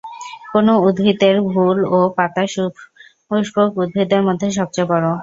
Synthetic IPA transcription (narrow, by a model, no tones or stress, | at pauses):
konoud̪bʱit̪eɾbʱulopat̪aʃubʱ | uʃbokud̪̚bʱit̪eɾmod̪ʱːeʃ̬ɔb̚t͡ɕajbɔɾo